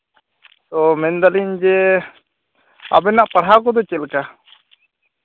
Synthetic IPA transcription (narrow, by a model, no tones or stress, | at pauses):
t̪ɔmɛnd̪alind͡ʒɛ | a̰bɛnaʔpaɽ̤ɦakɔd̪ɔt͡ʃɛlka